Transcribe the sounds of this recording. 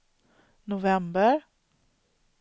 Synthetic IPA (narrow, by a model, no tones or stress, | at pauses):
nʊvɛmbəɾ